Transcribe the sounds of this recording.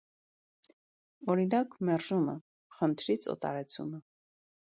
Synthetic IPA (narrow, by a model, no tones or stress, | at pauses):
ɔɾinɑkmɛɾʒumə̰ | χənt̪ʰɾit͡sʰɔ̰t̪ʼɑ̰ɾɛt͡sʰṵmə